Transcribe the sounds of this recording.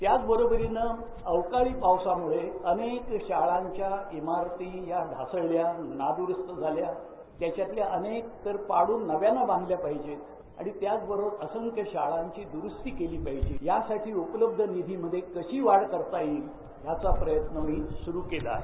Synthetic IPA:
t̪jat͡sbəɾobɾinə | əwkaɭiːpawsamuɭeənekɕaɭaɲt͡ɕjaemaɾt̪ijaɖʱasəɭljanad̪uɾəst̪əd͡zʱalja | t̪jat͡ɕjat̪ljaʔənek̚t̪əɾpaɽuːnːəʋjanabãŋɡljapaɦid͡ʑe | a̰ɽ̃it̪jat͡sbəɾoəsəŋkəɕaɭaɲt͡ɕiːd̪uɾust̪iːkeliːpaɦid͡ʑejasaʈʰiːupələb̚d̪ʱənid̪ʱiməd̪ʱːjekəɕiːʋaɽkəɾt̪aji | jat͡sapɾəjət̪nəmiːsuɾuːkela̰

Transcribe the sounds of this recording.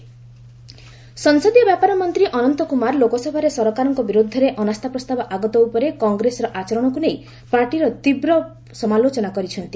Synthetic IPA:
sɔŋsɔd̪jɔbjapaɾɔmɔnt̪ɾiʔɔnɔnt̪ɔkumaɾlokɔsɔbʱaɾesɔɾɔkaɾɔŋkɔbiɾud̪ʱːɔɾeʔɔnast̪ʰapɾɔst̪abɔʔaɡɔt̪ɔupɔɾekɔŋɡɾesɔɾɔʔat͡ʃɔɾɔɽ̃ɔkunej | paɾʈiɾɔt̪ibɾɔ | sɔmalot͡ʃɔnakɔɾit͡ʃʰɔnt̪i̥

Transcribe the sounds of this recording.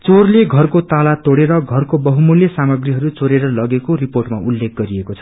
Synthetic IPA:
t͡sorleɡʱʌrkot̪alat̪oɽeɾʌɡʱʌrkobʌɦumuljʌsamʌɡriɦʌɾut͡soɾeɾʌlʌɡekoriporʈmaʔulːek̚ʰɡʌɾiekot͡sʰʌ̥

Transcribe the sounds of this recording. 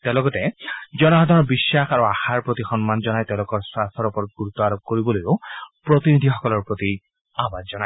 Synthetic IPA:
t̪ɛʊ̃lɔɡɔtɛd͡ʒɔnɔɦɔd̪ʱɔnɔbisːaxaɹuaxaɹpɹot̪ixɔnmand͡ʒɔnajt̪ɛʊ̃lokɔɹsastʰɔɹɔpɔɹɔt̪̚ɡuɹut̪ːɔaɹɔb̚koɹibɔlojʊpɹɔt̪inid̪ʱixɔkɔlɔɹpɹot̪i | abazzɔnaj

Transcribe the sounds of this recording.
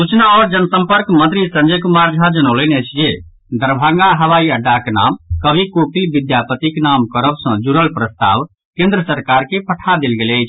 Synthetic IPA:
sut͡ʃnaɔɾd͡ʒənsə̃mpəɾkmə̃nt̪ɾisə̃nd͡ʒəkumaɾd͡ʒʱad͡ʒənəʊlenɛt͡ʃʰd͡ʒe | d̪əɾbʱaŋɡaɦəʋaiəɖːakena̰mkəbʱikopilbid̪japət̪iknamkəɾəbsə̃d͡ʒuɾəlpɾəst̪a̰ʋ | kẽnd̪ɾəsəɾkaɾkepʰəʈʰad̪elɡeləjt͡ʃʰ

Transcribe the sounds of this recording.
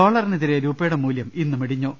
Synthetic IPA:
aːɭɐrineðiɾeɾuːpːeːɽɐmːuːljɐminːumeɽiɲːoː

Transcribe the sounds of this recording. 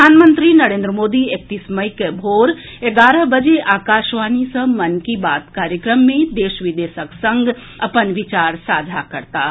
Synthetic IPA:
aːnmə̃nt̪ɾinɐɾẽːnd̪ɾəmoːd̪iek̚t̪iːsməikebʱoːɾ | eɡaːɾəɦbəd͡ʒeʔaːkaːʃʋaːnisə̃mɐnkibaːt̪kaːɾjəkɾəmːẽd̪eːʃʋɪd̪eːʃəksə̃ŋɡɐpənʋɪt͡ʃaːɾsaːd͡ʒʱakɐɾt̪aː

